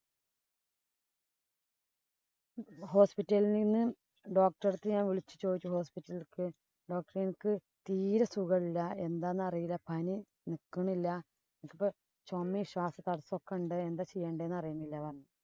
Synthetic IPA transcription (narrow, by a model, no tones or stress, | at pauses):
ho̞ːspitːɐlininːɨ | ɖo̞ːk̚ʈɐrt̪ːɨjaːnʋiɭit͡ɕːɨ̥t͡ɕo̞ːd̪it͡ɕːuho̞ːspitːɐlilkɨ | ɖo̞ːk̚ʈɐrinkɨ | t̪iːɾɐsuɣɐɭilːɐe̞nd̪aːnːɨɐrijilːɐpʰɐni | nikːɐɳilːɐ | enɐkːipːo | t͡ɕomːiɕwaːsɐt̪ɐɽɐsːokːeuɳɖɨend̪aːt͡ɕe̞jːeːɳɖɨenːɐrijɐɳilːɐʋɐnːɐ